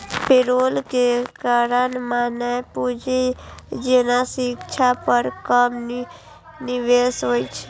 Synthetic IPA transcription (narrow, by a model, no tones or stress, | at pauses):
peɾolkekaɾənmanəpud͡ʒed͡ʒenasikt͡ʃʰapəɾkəm | niʋesɦojt͡ʃʰɛ̥